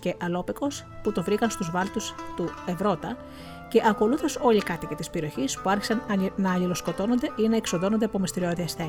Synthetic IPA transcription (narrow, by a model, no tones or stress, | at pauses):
ce̞ʔɐlo̞peko̞s | put̪o̞vɾikɐnst̪uzvɐlt̪ust̪ue̞vɾo̞t̪ɐ | ce̞ʔɐko̞luθoso̞likɐt̪ice̞t̪ispe̞ɾio̞çispuɐɾçi̥sɐnnɐːlilo̞sko̞t̪o̞no̞nd̪e̞ʔinɐeksoðo̞no̞nd̪e̞ɐpo̞mist̪iɾio̞ðiɐst̪e